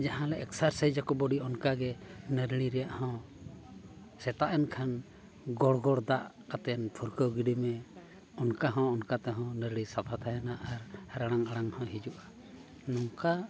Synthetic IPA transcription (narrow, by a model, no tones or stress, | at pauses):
d͡ʒaɦãlɛʔɛksaɾsəjd͡ʒakɔbɔɖiɔnkaɡɛnəɾliɾɛjaʔhɔ̃ | sɛt̪aʔɛnkʰan | ɡɔɽɡɔɽd̪aʔkat̪ɛnpʰuɾkəwɡiɖimɛ | ɔnkaɦɔ̃ɔnkat̪ɛɦɔ̃nəɾlisapʰat̪ʰajɛnaʔaɾhaɾaɽaŋaɽaŋhɔ̃ɦid͡ʒuʔa | nɔŋka